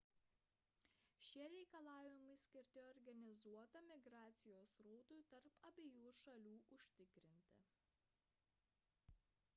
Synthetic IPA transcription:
ʃʲiɛɾʲɛɪkɐlˠɑːʋʲɪmɐɪsʲkʲɪɾʲt̪ʲɪɔɾʲɡɐnʲɪzuɔt̪ɐmʲɪɡɾɑːt̪sʲɪjoːsɾɔːt̪ʊɪt̪ɐɾpɐbʲejuːʃɐlʲuːʔʊʃʲt̪ʲɪkɾʲɪnʲt̪ʲɪ̰

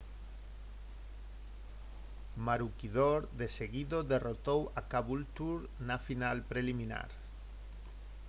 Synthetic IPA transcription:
maɾukiðoɾðeseɣiðoðerot̪owakaβult̪uɾ | nafinalpɾelimĩna̰ɾ

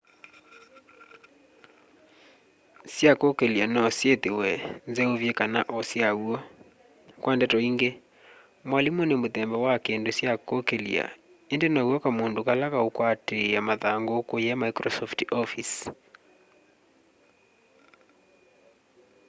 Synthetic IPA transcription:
sjakokelianɔsjetewɛnzeovjekanaʔɔsjauɔ | kwʔandɛtɔiŋɡe | mwalimuonemoðɛmbɔwakendosjakokelḭa̰ | endenauɔkamondokalakaokwatejamaðaŋɡokojamaikɾɔsɔftɔfis

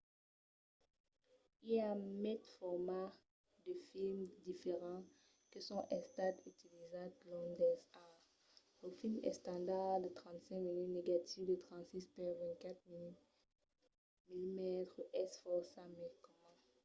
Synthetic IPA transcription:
ilamɛt̪fɔʁmaʁ | d̪əfilmd̪ifeʁɑ̃ | kəsɔ̃ʔɛ̃st̪at̪yt̪ilizãt̪lɔ̃nd̪ɛsa | ləfilmɛ̰st̪ɑ̃d̪aʁd̪ət̪χɑ̃t̪sɛ̃kminytneɡat̪ivd̪ət̪χɑ̃t̪sispaʁvɛ̃t̪̚kat̪miny | milimɛt̪χəʔɛsfɔʁsamɛlkɔmã

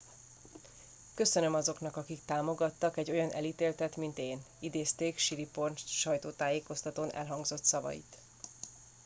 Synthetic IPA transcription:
kø̞sønø̞mɒzo̞knɒkɒkikt̪aːmo̞ɡɒt̪ːɒkɛɟːo̞jɒnʔɛ̰liːt̪eːlt̪ɛt̪mint̪eːn | id̪eːst̪eːkʃiɾiporʃɒjt̪oːt̪aːjeːko̞st̪ɒt̪oːnɛ̰lɦɒŋɡzo̞t̪sɒvɒ̰jḭt̪

